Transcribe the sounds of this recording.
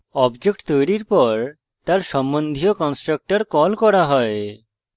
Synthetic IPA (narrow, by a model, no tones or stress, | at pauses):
ɔbd͡ʑek̚ʈt̪ojɾiɾpɔɾ | t̪aɾʃɔmbond̪ʱiokɔnsʈɾak̚ʈaɾkɔlkɔɾaɦɔe